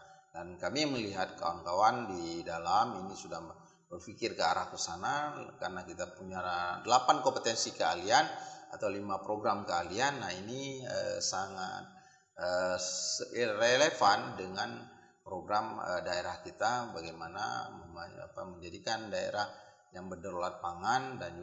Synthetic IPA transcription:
dankamiməliɦat̪̚ka̰wankawandidalaminisudah | bərfikɪrkəaɾahkəsanakarnakit̪apuɲadəlapankompət̪ɛnsikəalianat̪awlimapɾoɡɾamkəalianːainiəsaŋa̰t̪̚ | ə | relefandəŋan | pɾoɡɾamə̰daeɾahkit̪abaɡajmana̰ | a̰paməɲd͡ʒadikandaḛɾah | jaŋbərdəɾolat̪̚paŋandan

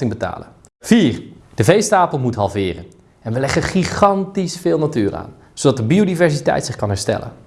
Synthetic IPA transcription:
ɪŋbəta̰ːlə̰ | v̥iːrd̥əvejstaːpəlˠmutɦɑlˠvɪːrə̰n | ɛnʋəlɛχəχiχɑntisfɪːlˠnatyːra̰ːn | z̥owdɑt̚dəbiowdivɛɹsitɛ̰jtsɪχkɑnɦɛɹstɛ̰lə̰n

